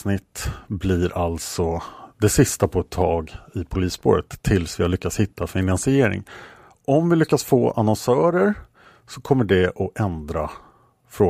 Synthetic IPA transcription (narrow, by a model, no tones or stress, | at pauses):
nɪt̪ːblɪɾʔalsɔd̪ɛsɪst̪apʰɔɛt̪ʰːɑːɡɪpʰʊliːspo̰ːɾət̪ʰːɪlsvɪhaɭʏkːat̪shɪt̪ʰːafɪnansɪeːɾɪ̰ŋ | ʔɔmvɪlʏkːatsfo̰ːʔa̰nɔnsœːɾəɾ | sɔkʰɔmːəɖɛʔɔʔɛnd̪ɾa | fɾoː